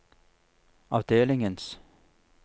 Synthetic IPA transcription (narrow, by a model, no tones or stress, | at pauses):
ɑ̰ːʋd̪eːlɪŋəns